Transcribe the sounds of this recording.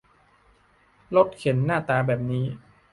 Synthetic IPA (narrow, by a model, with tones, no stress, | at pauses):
lo˦˥t̪̚kʰe˩˦nːaː˥˩t̪aː˧bɛː˨˩p̚niː˦˥